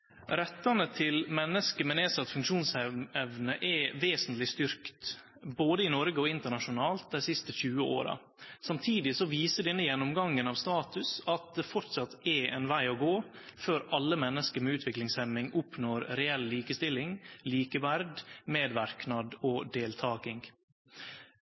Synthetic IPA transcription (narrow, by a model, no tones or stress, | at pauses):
ɾɛt̪ːɑnət̪ʰɪlmɛnːəskəmɛneːsɑt̪ːfʉŋkʂuːnsɛɛʋnəʔɛʋeːsənt̪lɪst̪ʏɾkt̪boːd̪əɪnɔɾɡəɔɪnt̪əɳɑʂʊnɑːlt̪̚d̪æɪsɪst̪əçʉːəo̰ːɾɑ̰ | sɑmt̪ʰiːd̪ɪsɔʋiːsəɖɛnːəjɛnːɔmɡɑŋːənɑʋst̪ɑːt̪ʉsɑt̪̚d̪ɛfɔɾʈ̪sɑt̪ːɛɛnʋæɪɔɡoːføːɾɑlːəmɛnːəskəɾmɛʉːt̪ʰʋɪklɪŋsɛmɪŋʊpnoːɾɾɛɛlliːkəst̪ɪlɪŋliːkəʋæɾd̪meːd̪ʋæɾknɑd̪ɔd̪eːlt̪ʰɑːkɪŋ